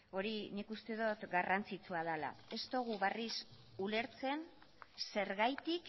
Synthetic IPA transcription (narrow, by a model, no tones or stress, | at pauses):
o̞ɾinikust̪e̞ðot̪ɡarʔant͡sit͡suað̞ala̰e̞st̪o̞ɣ̞uβaris | ule̞ɾt͡se̞n | se̞ɾɣajt̪ik